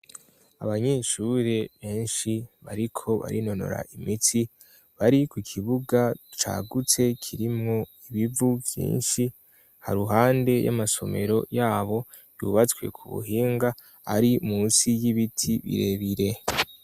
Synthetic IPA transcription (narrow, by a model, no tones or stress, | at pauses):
aβaɲe̞ʃuɾe̞βe̞ːnʃiβaɾikʰo̞βa̰ɾino̞no̞̰ɾa̰ʔimitʰi | βaɾikukʰiβuɡat͡ʃa̰ːɡut͡se̞kʰiɾimŋo̞ | iβivuvjḭːnʃi | ha̰ɾuɦaːnde̞ja̰maso̞̰me̞̰ɾo̞jaːβo̞ | jṵβat͡skwe̞̰kʰuβṵɦiːŋɡa | aɾimuːnsijiβitʰiβḭɾe̞βiɾe̞